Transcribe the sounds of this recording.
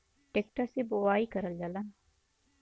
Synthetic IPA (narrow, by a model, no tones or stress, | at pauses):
ʈek̚ʈɐsiboʋaːikɐɾɐlːɐlɐn